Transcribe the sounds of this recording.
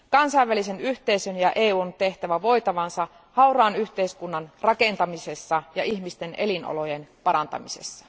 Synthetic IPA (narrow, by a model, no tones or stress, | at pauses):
kɑnsɑiʋʋælise̞nyht̪e̞isønjɑʔeːuːnt̪e̞ht̪æʋæʋo̞jt̪ɑʋɑnsɑ | hɑuɾɑːnyht̪eiskunːɑnrɑke̞nt̪ɑmise̞sːɑjɑʔiçmist̪e̞nʔelino̰lo̞jenpɑɾɑnt̪ɑ̰mise̞̰sːɑ̥